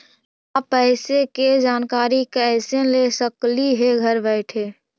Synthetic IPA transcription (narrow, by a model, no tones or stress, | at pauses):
apɛɦɪseked͡ʒaːnkaːɾikɛɪsẽlesəkliɦeɡʱəɾbɛɪʈʰeː